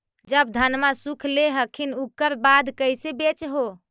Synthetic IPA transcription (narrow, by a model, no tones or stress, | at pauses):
d͡ʒəb̚d̪ʱənmasukʰleɦəkʰinukːəɾbad̪ʱkəjsebet͡ʃɦo